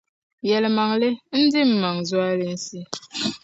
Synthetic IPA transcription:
jɛ˨lma˨ŋle˦n̩˦di˦˨m̩˦ma˨ŋza˦le˦n̩˦si˦

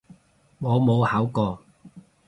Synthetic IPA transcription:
ŋɔː˨˧mo˨˧whaː˨˥wkɔː˧

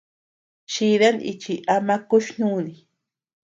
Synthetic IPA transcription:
ʃi˧ða˦nḭ˧t͡ʃi˨ʔa˧mã˦ku˦ʃnũ˦nĩ˨

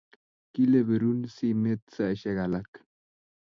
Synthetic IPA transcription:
ki˦le˦be˨ɾunsi˦me˦t̪sa˨ʃɛ˦ɡa˨la˦k

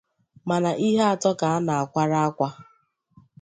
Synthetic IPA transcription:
ma˨na˨ʔi˦ɦe˦a˨tɔ˦ka˨a˦na˨a˨kʷa˦ɾa˦a˦kʷa˦

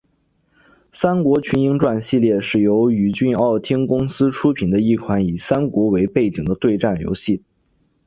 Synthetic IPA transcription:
sa˥nkwɔ˧˥t͡ɕʰy˧˥ni˧˥ŋʈ͡ʂwa˥˧nɕi˥˧ljɛ˥˧ʂɻ̩˥˩jo˧˥ʊy˧˥˩t͡ɕy˥˧nɑ˥˩ʊt̪ʰjɛ˥nkʊ˥ŋsɹ̩˥ʈ͡ʂʰu˥pʰi˨˩nd̪ə˦i˥˩kʰwa˧˥ni˨˩sa˥nkwɔ˧˥we˧˥ɪpe˥˩ɪt͡ɕi˨˩ŋd̪ə˦t̪we˥˧ɪʈ͡ʂa˥˩njo̰˧˥ʊɕi˥˩

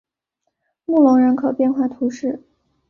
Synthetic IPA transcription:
mu˥˩lʊ˧˥ŋɻə˧˥nkʰɤ˨˩pjɛ˥˧nxwa˥˩t̪ʰu˧˥ʂɻ̩˥˩

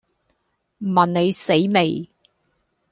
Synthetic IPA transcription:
mɐ˨nne˨˧jse˨˥jme˨j

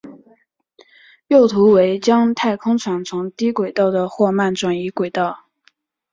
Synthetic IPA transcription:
jo˥˩ʊt̪ʰu˧˥we˧˥ɪt͡ɕjɑ˥ŋt̪ʰa˥˩ɪkʰʊ˥ŋʈ͡ʂʰɑ˨˩ŋt͡sʰʊ˧˥ŋt̪i˥kwe˨˩ɪt̪ɑ˥˩ʊd̪ə˩xwɔ˥˧ma˥˩nʈ͡ʂwa˨˩ni˧˥kwe˨˩ɪt̪ɑ˥˩ʊ

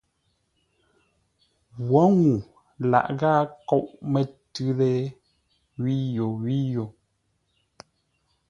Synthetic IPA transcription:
wwɔ˨˦ŋu˨ | la̰˨ʔɣaː˦kɔ˦˨ʔmɛ˨tʉ˦le˦ | wi˦jo˨wi˦jo˨

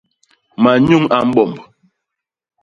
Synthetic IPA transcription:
ma˨ɲu˦ŋa˨m̩˦ɓɔ˨mb

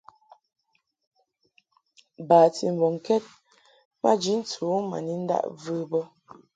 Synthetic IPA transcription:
baː˨ti˨m̩˨bɔ˨ŋ˨kɛ˦t̚ | ma̰˦d͡ʒi˨˦n̩˦tuː˨˦ma̰˨ni˦n̩˦da̰˦˨ʔvɨ˦bɔ˦

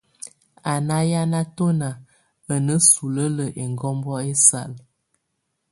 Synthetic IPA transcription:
a˨na˦ja˦na˦to˦na˨ | ə˨nə˦su˨lə˦lə˨ʔe˨ŋɡɔ˦mbɔ˦e˦sa̰˨l

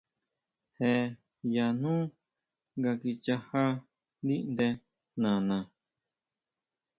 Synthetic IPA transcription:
he˧ | ja˧n̥ũː˦ | ŋɡa˧ki˧t͡ʃa˧ha˦ | nd̪i˦ʔnd̪e˧ | nã˨nã˨

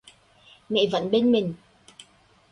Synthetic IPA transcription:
mɛ̰˧˨və̰˧˥nɓe˧nmï˨˩ŋ̟

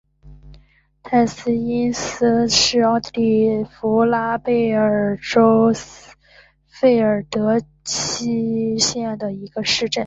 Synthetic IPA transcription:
t̪ʰa˥˩ɪsɹ̩˥i˥ns̩˥ʂɻ̩˥˧ɑ˥˧˩ʊt̪ə˥˧li˥˩fu˧˥la˥pe˥˩ɪə˞˨˩ʈ͡ʂo˥ʊ | fe˥˩ɪə˞˨˩t̪ɤ˧˥ | t͡ɕʰi˥ɕjɛ˥˩nd̪ə˩i˧˥ɡ̥ə˧ʂɻ̩˥˧ʈ͡ʂə˥˩n

